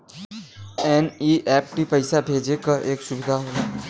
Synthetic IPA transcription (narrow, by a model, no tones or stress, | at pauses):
ɛːniʔɛːp̚ʈipəɪsabʱeːd͡ʒekaʔeːksʊbɪd̪ʱaɦoː